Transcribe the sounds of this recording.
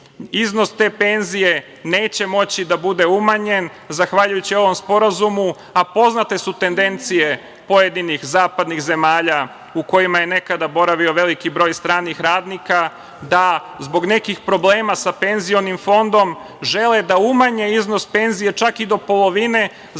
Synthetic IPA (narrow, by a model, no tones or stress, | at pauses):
izno̞st̪e̞ːpe̞nzije̞ | ne̞ːt͡ɕe̞mo̞t͡ɕid̪abud̪e̞umaɲe̞n | zaxʋaʎujut͡ɕio̞ʋo̞mspo̞ɾazumu | apo̞znat̪e̞sut̪e̞nd̪e̞nt̪sije̞ | po̞jed̪inixzaːpad̪nixze̞maːʎa | uko̞jimaje̞ne̞kad̪abo̞ɾaʋio̞ʋe̞likibɾo̞ːjst̪ɾaːnixɾaːd̪nika | d̪a | zbo̞ɡne̞kixpɾo̞bleːmasape̞nzio̞nimfo̞nd̪o̞m | ʒe̞led̪aumaɲe̞izno̞spe̞nzije̞t͡ʃakid̪o̞po̞lˠo̞ʋine̞